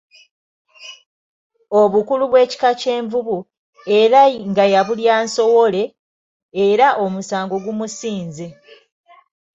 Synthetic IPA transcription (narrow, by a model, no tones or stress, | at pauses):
o̞βukuluβwe̞ːci̥kace̞ːɱvuβu | e̞ɾaŋɡajaβuljaːnso̞wo̞le̞ː | ɾaʔo̞musaːŋɡo̞ɡumusiːnzi